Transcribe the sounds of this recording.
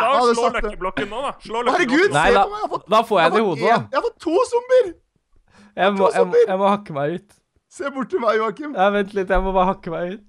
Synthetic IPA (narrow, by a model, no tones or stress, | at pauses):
ɑd̪ɛlɔkːəhaɾəɡʉːd̪næɪd̪ɑfɔd̪ɑːfoːɾjæɪd̪ɛɪhuːd̪əɔjhɑfɔt̪ʰːuːsʊmbəɾ | jæɪmɔjæɪməjæɪmɔhɑkːəmæɪʉːt̪ | seːbʊʈːʈɪmæɪjuːɑkɪmd̪ææʋɛnt̪lɪt̪ːjæɪmɔbɑːɾəhɑkːəmæɪʉːt̪